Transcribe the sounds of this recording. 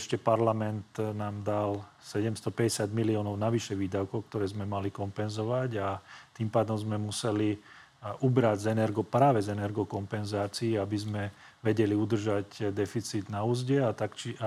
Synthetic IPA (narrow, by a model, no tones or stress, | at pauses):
ʃcɛpaɾlamɛnt̪naːmd̪al | sɛɟɛmst̪ɔpɛɟɛsɪad̪miliɔːnɔʊnaʋiʃɛʋiːd̪aʊkɔʊk̚t̪ɔɾɛːzmɛmalikɔmpɛnzɔʋaɟat̪impaːd̪ɔmzmɛmusɛli | ubɾaɟzɛnɛɾɡɔpɾaːʋɛzɛnɛɾɡɔkɔmpɛnzaːt͡siːabizmɛʋɛɟɛliud̪r̩ʒaɟd̪ɛfit͡sid̪nauːzɟɛat̪akt͡ʃia